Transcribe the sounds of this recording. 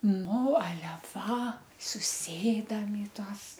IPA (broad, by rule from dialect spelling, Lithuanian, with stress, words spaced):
ˈnʊ ɐˈlʲɛ ʋɐ sʊˈsʲeːdɐm ɪ ˈtuɔs